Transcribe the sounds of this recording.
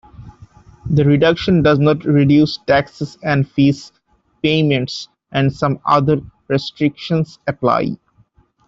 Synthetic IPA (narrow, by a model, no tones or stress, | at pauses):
d̪əɾɪɖʌkʃə̃nɖʌznɔʈɾɪɖjuːsʈæksesɛ̃ɳɖfiːs | pẽːmẽɳʈs | ʔæ̃ɳɖsʌ̃mʌ̰d̪əɾɾesʈɾɪkʃə̃nsəpla̰ɪ